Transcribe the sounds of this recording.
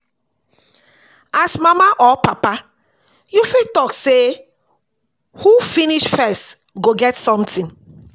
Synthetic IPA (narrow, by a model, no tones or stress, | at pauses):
asmamaʔɔpapa | jufitɔkse | hufiniʃfɛst | ɡoɡɛtsɔ̃mtĩn